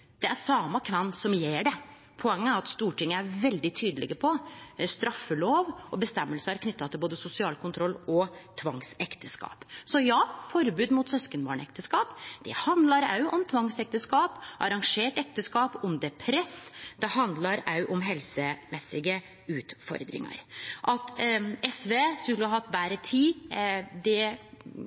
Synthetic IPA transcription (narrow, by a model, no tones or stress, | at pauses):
d̪̥ɛæɾsɑːmɑkʰʋɛnːsɔmjeːɖɛ | pʰɔɛŋːəæɾɑt̪st̪uːʈɪŋːəæɾʋɛld̪ɪt̪ʰyːd̪əlɪɡəpʰɔst̪ɾɑfːəloːʋʔɔbəst̪ɛmːəlsəæɾkʰnʏt̪ːɑt̪ʰɪlboːd̪əsʊsɪɑːlkʰʊnt̪ʰɾɔlːɔt̪ʰʋɑŋsɛkt̪ʰəskɑ̰ːpsɔjɑːfɔɾbʉːd̪mut̪sœskənbɑ̰ːɳɛk̚t̪ʰəskɑːpd̪̥ɛhɑnd̪lɑɾɑ̰ʉʔɔmt̪ʰʋɑŋsɛk̚t̪əskɑːpʔɑɾɑŋʂeːʈɛk̚t̪əskɑːpʊmd̪ɛpʰɾɛsd̪ɛhɑnd̪lɑɾɑʉʔɔmɦɛlsəmɛsːɪɡə | ʉːt̪fɔ̰ɾd̪ɾɪ̰ŋɑ̰ɾʔɑt̪ɛsʋeːskʉlːəhɑhɑt̪ːbæːɾət̪ʰiːd̪ɛ